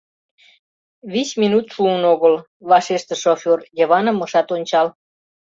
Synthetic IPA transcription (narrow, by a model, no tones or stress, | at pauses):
βismʲinut̪ʃuənoɣəl | βɑʃeʃt̪əʃofʲorjəβɑnəmːəʃɑt̪onʲt͡ɕɑl